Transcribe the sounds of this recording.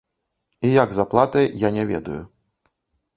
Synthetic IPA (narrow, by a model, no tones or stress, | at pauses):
ijaɡzaplˠat̪ɨjanʲɛvʲɛ̰d̪ṵju